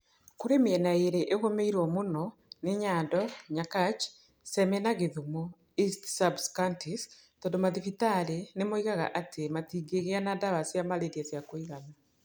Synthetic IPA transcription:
kuɾemeenaeɾeʔeɣomeiɾwomunɔneɲaːndɔɲakat͡ʃ | semenaɣeðumo | istsabskantis | tɔdomaðifitaɾenemoiɣaɣa̰ʔatematiːɡeɣeanadaβasiamalediazjakoiɣana

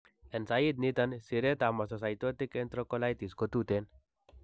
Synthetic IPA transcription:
ensajit̪nit̪ənsiɾet̪amasɔsajt̪ɔt̪ikːent̪ɾɔkɔlajt̪iskɔt̪ut̪en

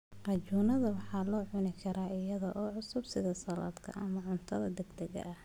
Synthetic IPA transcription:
qɑt͡ʃuːnɐðɐwɑħɑːlɔːʕʊnɪkʰɐɾaːʔɪjɐðɔʔɔːʕʊsʊbsɪðɐsɐlɐ̰ːd̪kʰɐ̰ʔɐmɐʕʊnt̪ʰɐðɐd̪ɛɡd̪ɛɣɐ̰ʔɐh

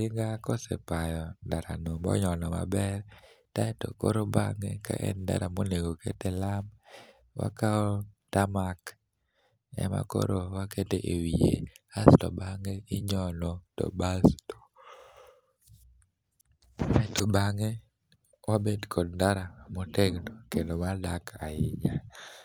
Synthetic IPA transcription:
ɪŋɡakɔsɛ̰pajɔndaɾa̰nombɔ̰ɲɔnɔma̰bɛrtaɛto̰koɾobaŋeka̰ʔɛ̰nda̰ɾamoneɡokḛtelam | wa̰kaɔtamak | ɛ̰ma̰ko̰ɾowaketeʔewiḛastɔbaŋeɪɲɔnɔtɔ̰basto̥ | aɛtobaŋe | wabedkʰɔd̚ndaɾamoteɡnokendomadakaɪɲa

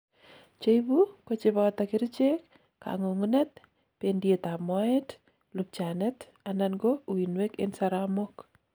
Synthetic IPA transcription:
t͡ʃejbukot͡ʃɪbat̪akɪɾit͡ʃek | ka̰ŋoŋnɛt̪̚ | pendiet̪amɔɛt | lup̚t͡ʃanɛt̪ | ananɡowinwekḛnsaɾamɔk

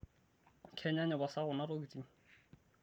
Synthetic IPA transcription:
kʰɛɲaɲɔbasaɣʊnaɾokit͡siŋ̩

